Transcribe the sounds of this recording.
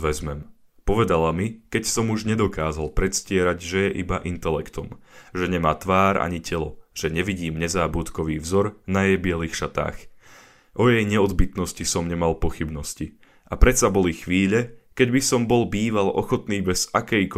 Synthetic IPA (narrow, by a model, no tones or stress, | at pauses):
ʋɛzmɛm | pɔʋɛd̪alamikɛcsɔmuʒɲɛd̪ɔkaːzalpɾɛt̪scɪɛɾaɟʒɛjɛʔibaʔint̪ɛlɛkt̪ɔmʒɛɲɛmaːt̪ʋaːɾa̰ɲicɛlɔʒ̥ɛɲɛʋiɟiːmɲɛzaːbut̪kɔʋiːvzɔɾnajɛjbɪɛliːxʃat̪a̰ːx | ʔɔjɛjɲɛɔd̪bit̪nɔscisɔmɲɛmalpɔxibnɔsci | ʔapɾɛt̪sabɔlixʋiːʎɛkɛɟbisɔmbɔlbiːʋalɔxɔt̪niːbɛz̥akɛjk